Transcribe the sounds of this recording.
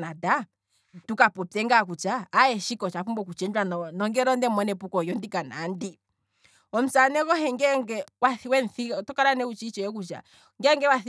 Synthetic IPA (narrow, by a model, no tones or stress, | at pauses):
nada | tukapɔpɛŋɡak̬ut͡ʃaːɛʃikɔt͡ʃafumbɔkut͡ʃɛnd͡ʒwannɔŋɡɛɾɔndɛmɔnɛpukɔjɔndikana̰ndi | ɔm̩sanɛkɔɦɛŋɡɛŋɡɛwaθiwɛnθitɔkaɾanɛut͡ʃit͡ʃɛjɛk̬ut͡ʃa̰ | ŋɡɛŋɡɛwaθi